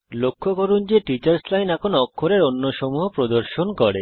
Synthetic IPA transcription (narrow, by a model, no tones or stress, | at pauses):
lokʰːokoɾund͡ʑeʈit͡ɕaɾslajnɛkʰonoɔkʰːoɾeɾonːoʃɔmuɦopɾod̪oɾʃonkɔɾḛ